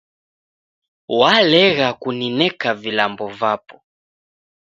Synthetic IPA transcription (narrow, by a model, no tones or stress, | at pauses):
walɛɣakuninɛkavilambɔvapɔ̥